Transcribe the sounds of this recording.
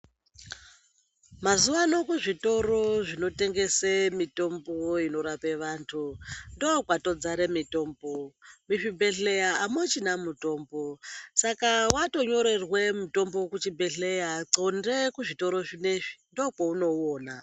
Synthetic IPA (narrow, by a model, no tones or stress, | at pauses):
mazuwano̞kuʐito̞ɾo̞ʐino̞te̞ŋɡesemito̞mboino̞ɾapeʋaːntʰundokwato̞d͡zaɾe̞mito̞ːmbomiʂibʱe̞ɬe̞jaːmot͡ʃinamuto̞ːmbo̞sakawato̞ɲo̞ɾe̞rwemuto̞mbokut͡ʃibʱeɬejaǀondekuʐito̞ɾo̞ʐineʐi̥ndokouno̞oːna